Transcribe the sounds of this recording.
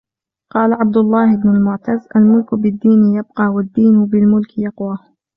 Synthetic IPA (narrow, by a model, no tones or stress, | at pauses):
qɑːlaʕab̚d̪ʊlˤːɑːhɪbnʊlmʊʕt̪azʔalmʊlkʊbɪd̪ːiːnɪjab̚qɑːwad̪ːiːnʊbɪlmʊlkɪjɑqwaː